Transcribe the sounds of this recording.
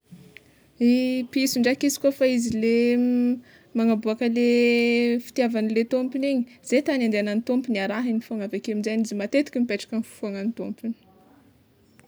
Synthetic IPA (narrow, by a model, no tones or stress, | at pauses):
ipiisuɳɖ͡ʐakizi̥kofaizile | maŋabuakəle | fi̥t̪iavanilet̪ompiniɲiz̥et̪aniand̪eananit̪ompiniaɾaɦinifuaŋavekeamizanizimat̪et̪i̥kʲimipeʈ͡ʂḁkənifu̥fuaŋanit̪ompini̥